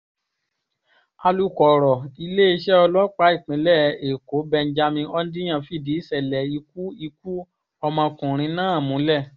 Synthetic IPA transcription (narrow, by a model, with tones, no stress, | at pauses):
a˧lu˦˧kɔ˨ɾɔ˨i˧le˦i˧ʃɛ˦ɔ˧lɔ˦k͡pa˦i˦˨k͡pĩ˨˦lɛ˦˨e˨ko˨˦bɛ˧n˦d͡ʒa˧mĩ˧ɔ˦n˦di˦j̃ã˦˨fi˦˨di˨˦sɛ˨lɛ˨i˧ku˦i˧k̚u˦ | ɔ˧mã˧kũ˨ɾ̃ĩ˧˦nãː˦a˦˨mũ˨˦lɛ˦˨